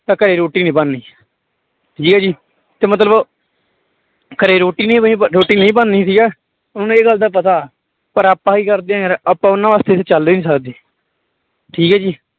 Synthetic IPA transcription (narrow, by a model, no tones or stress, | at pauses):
t̪ãːkəɾeːɾoːʈːiːnĩːpanːiː | ʈʰiːkɛːd͡ʒiː | t̪eːmət̪ləb | kəɾeːɾoːʈːiːnĩːĩːɾoːʈːiːnəĩːp̬anːĩːsiːɡɛː | ʊñːeːɡəld̪aːp̬ət̪aː | pəɾaːpːãːiːkəɾd̪eãːɾaːpãːʊnãːʋaːst̪eːseːt͡ʃəld̪eːnĩːsəkd̪eː | ʈʰiːkɛːd͡ʒiː